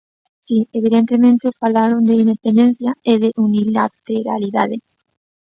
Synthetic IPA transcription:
sieβ̞iðent̪emẽnt̪efalaɾond̪eind̪epend̪ẽn̟θjaeðeʔunilat̪eɾa̰liðaðe

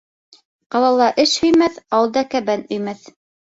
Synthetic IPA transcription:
qɑlˠɑlˠɑʔɘʃhɵ̆jmæθɑwɤ̆lˠd̪ɑkæbænɵ̆jmæθ

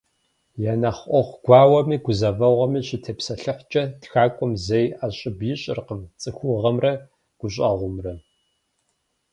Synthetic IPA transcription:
janaχʷʔʷɔχʷɡ̥ʷɑːwɐmiːɡʷʊzɐvɐʁʷɐmiːɕɪtʰeːpsɐɬɨħʷt͡ʃʼɐtxaːkʷʼʊmzejaɕʼɪbjɪɕʼɪ̰rqəmt͡sʼɨxʷʊʁɐmrɐ | ɡ̥ʷʊɕʼɐ̰ʁʷʊmrɐ

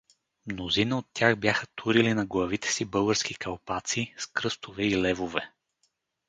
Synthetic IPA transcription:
mnozinəot̪ːʲjaxbjaxət̪ʰuɾilinɐɡlˠɐvit̪ɛ̥sibɤlˠɡəɾsk̟ikɐlˠpat̪siskɾɤst̪ovɛilɛvovɛ

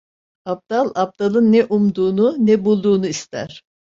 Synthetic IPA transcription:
ap̚d̪̥alˠap̚d̪alˠɯnːɛʔumd̪uːnunɛbulˠd̪uːnuist̪ʰæ̰ɾ̥

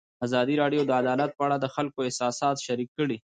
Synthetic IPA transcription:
azɑd̪iɾɑɖjod̪əad̪ɑlat̪̚pəaɽad̪əxalkoɪhsɑsɑːt̪ʃaɾikːəɽi

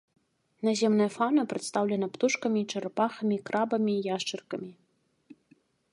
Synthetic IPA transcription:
nazʲɛmnɐjɐfanɐpɾɛt̪st̪awlʲɛnɐpt̪uʂkɐmʲit͡ʂɐɾapaxɐmʲikɾʔabɐmʲiːjaʂt͡ʂɨrkɐmʲi

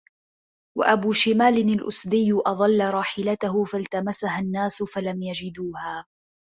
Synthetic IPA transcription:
wa̰ʔabuːʃɪmaːlɪnalʔʊ̰sd̪ɪjːʊʔɑðˤɑlːaɾˤɑːħɪlat̪aɦʊfalt̪amasahanːaːsʊfalamjad͡ʒɪd̪uːhaː

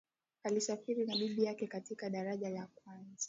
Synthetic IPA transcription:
alisafiɾinaɓiɓijakɛkatikaɗaɾaʄalakwanzḁ

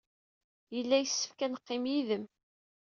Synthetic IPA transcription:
jəlːæjəsːə̥fkænəqːɪmjiðəm

